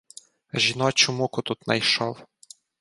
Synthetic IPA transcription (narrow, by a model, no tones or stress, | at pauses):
ʒʲinɔt͡ʃʊmukʊt̪ut̪nɐ̰jʃɔw